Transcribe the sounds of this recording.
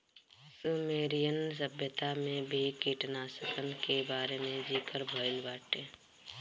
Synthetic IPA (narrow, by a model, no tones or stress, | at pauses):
sumeːɾijənsəbjət̪amẽbʱikiʈnasəkʰənkebaːɾemẽd͡ʒiːkəɾbʱəɪlbaːʈẽː